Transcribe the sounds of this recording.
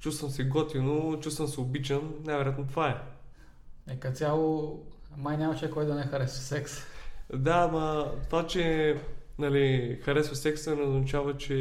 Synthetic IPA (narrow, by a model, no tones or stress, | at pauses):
t͡ʃust̪vəmsɛɡɔt̪inot͡ʃust̪vəmsɛʊbit͡ʃəmnajvɛɾjat̪not̪vaɛ | nɛkɐt̪sʲjalˠo | majnʲamɐt͡ʃɛkɔjd̪ɐnɛxɐɾɛssɛksd̪aːmɐt̪ovat͡ʃɛ | nɐlixɐɾɛsosɛksɛnɛoznɐt͡ʃavət͡ʃɛ